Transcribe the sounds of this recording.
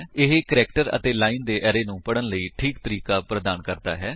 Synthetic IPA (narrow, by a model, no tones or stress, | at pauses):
ɪɦekəɾɛːkʈəɾə̰t̪eːlaːiːnd̪eːʔɛːɾeːnũːpəɽənləiːʈʰiːkt̪əɾiːkaːpɾəd̪aːnkəɾd̪a̰ːɦɛː